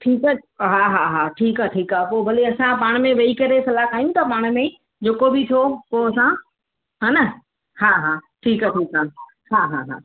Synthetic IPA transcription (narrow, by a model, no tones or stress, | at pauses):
ʈʰiːkaɦaːɦaɦaːʈʰiːkaːʈʰiːkaːpoːbʱɐleɐsãpaːɽ̃mẽʋɐikɐɾesɐlaːkaːijũt̪ɐpaːɽ̃mẽ | d͡ʑeːkobɪt̪ʰopoːɐsã | ɦanɐ | haːɦaːʈʰiːkaʈʰiːkaː | haːɦaɦa̰ː